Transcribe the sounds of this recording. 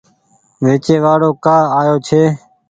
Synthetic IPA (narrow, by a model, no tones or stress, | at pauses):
ʋeːt͡ʃeːʋaːɽoːkaːaːjoːt͡ʃʰeː